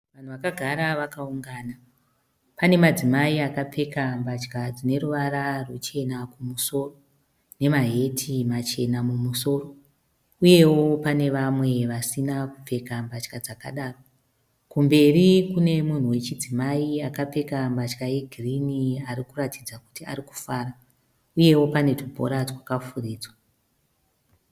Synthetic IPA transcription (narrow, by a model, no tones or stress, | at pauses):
ʋan̤uʋakaɡʱaɾaʋakauŋɡaːna | pane̞mad͡zimaiakap͡fe̞kambat͡ʃkad͡zine̞ɾuʋaɾarwut͡ʃe̞nakumuso̞ːro̞ | ne̞maɦe̞tʰimat͡ʃe̞namumuso̞ːro̞ | uje̞wo̞pane̞ʋamwe̞ʋasinaku̥p͡fe̞kambat͡ʃkad͡zakaɗaːro | kumbe̞rikune̞mun̤uwe̞t͡ʃid͡zimaiakap͡fe̞kambat͡ʃkaje̞ɡʱiriniaɾikuratid͡zaku̥tia̰ɾiku̥faːɾa | uje̞wo̞pane̞tubʱo̰ɾatwakafuriːd͡zwa